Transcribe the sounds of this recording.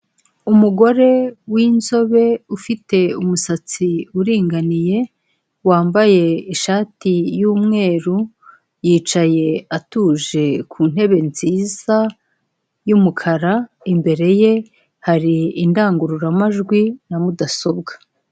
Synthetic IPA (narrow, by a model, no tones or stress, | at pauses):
umuɡo̞ɾe̞wiːnzo̞βe̞ufite̞umusat͡siuɾiːŋɡanije̞ | waːmbaje̞iʃaːtijuːmŋe̞ːɾu | jiːt͡ʃaje̞atuːʒe̞kʰuːn̥e̞βe̞nziːza | jumukʰaɾa | imbe̞ɾe̞je̞ | haɾiindaːŋɡuɾuɾamaʒɡwinamudaso̞bɡḁ